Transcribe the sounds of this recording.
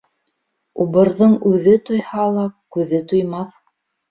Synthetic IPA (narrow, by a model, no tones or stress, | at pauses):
uβɤ̆ɾðɤɴʉðɘt̪ujhɑlˠɑkʉðɘt̪ujmɑθ